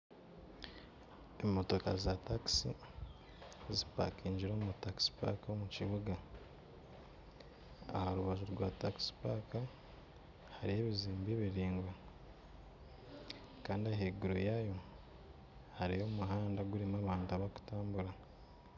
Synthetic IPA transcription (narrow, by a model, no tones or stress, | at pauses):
emːoto̞ka̰zataksi | zipa̰kiːɲɟiɾo̞ːmutaksi̥pa̰komuciβuɡa | a̰haɾuβaʒuɾɡwataksi̥paka | haɾije̞ːβiziːmbeːβiɾiːŋɡwa | kaːndiaɦeɡuɾojajo̞ | haɾijo̞ːmuɦaːndaɡuɾimaːβaːntaβaku̥taːmbuɾa